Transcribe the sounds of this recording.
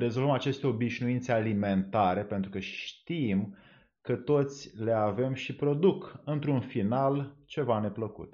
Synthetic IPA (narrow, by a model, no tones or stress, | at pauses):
ɾe̞zo̞lvəmat͡ʃe̞st̪eo̞biʃnuint̪sealime̞nt̪aɾe̞pe̞nt̪ɾukəʃt̪im | kət̪o̞t̪sʲle̞ave̞mʃipɾo̞d̪ukɨnt̪ɾunfinalt͡ʃe̞vane̞pləkṵt̪